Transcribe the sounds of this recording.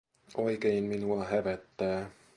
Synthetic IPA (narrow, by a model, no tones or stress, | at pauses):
o̞jkejnminuɑɦævæt̪ːæː